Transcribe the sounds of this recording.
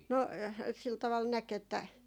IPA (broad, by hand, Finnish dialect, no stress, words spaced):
no sil tɑʋɑl næk etːæ